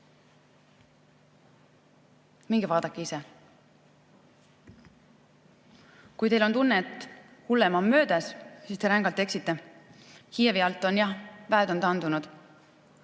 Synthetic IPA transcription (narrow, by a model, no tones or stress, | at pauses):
miŋɡ̥ivɑːd̪̥ɑkːˑiise̞ | kujt̪e̞jlo̞nt̪unːet̪ːˑhulːemɑmːø̞ːd̪æssiːst̪e̞ɾæŋɡ̥ɑlt̪ːe̞ksit̪ːe̞ | hijeviɑlt̪ːˑo̞njɑvæed̪o̞nt̪ɑnd̪unud̪̥